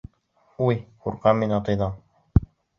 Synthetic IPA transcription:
ujquɾqɑmːinɑt̪ɤjðɑɴ

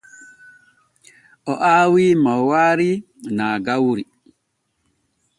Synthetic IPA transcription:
ɔʔaːwiːmawaːɾi | naːɡawɾi

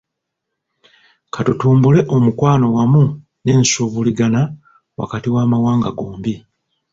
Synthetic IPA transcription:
kʰatutuːmbule̞ʔo̞mukwaːno̞wamu | ne̞ːnsuːβuliɡana | wa̰katiwaːmawaːŋɡaɡoːmbi

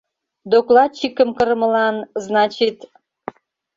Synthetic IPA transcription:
d̪oklɑt̪̚t͡ɕikəmkə̆ɾəmə̆lɑnznɑt͡ɕit̪

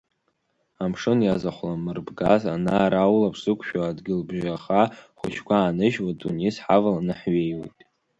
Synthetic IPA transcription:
amʂɨnjazaχʷlamɨrbɡazanaːɾawlapʰsɨkʷʰʼʃᶣaadɡʲɪlbʒᶣaχaχʷʊ̰ʃkʷʰaːnɨʒwatʼṵnisħavalanɨħɥejwḛjtʼ

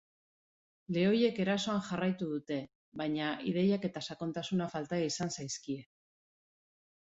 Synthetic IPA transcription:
le̞o̞je̞ke̞ɾaso̞aŋxarajt̪uðut̪e̞ | βaɲaʔið̞e̞jake̞t̪asako̞nt̪asunafalt̪aeisansajskie̞

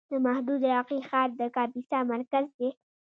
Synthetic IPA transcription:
d̪əmahd̪uːd̪ɾaːqixɑːɾd̪əkaːbisamɐɾkəzd̪e

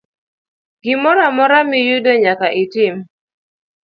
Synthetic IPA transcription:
ɡ̥ɪmɔɾamɔɾamɪjudoɲakaʔɪtɪm

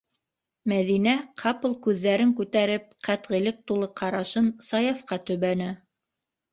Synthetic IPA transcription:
mæðinæqʰɑpɤlˠkʉðːæɾɘŋkʉt̪æɾɘp̚qæt̪ʁɘ̆lɘk̚t̪ulˠɤqʰɑɾɑʃɤnsɑjɑfqɑt̪ɵ̆βænɘ

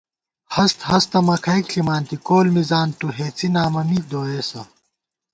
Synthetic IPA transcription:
hɐst̪hɐst̪ɐmɐkʰɐjkɬimaːnt̪ikoːlmizaːnt̪uɦeːt͡sinaːmɐmid̪oːeːsɐ

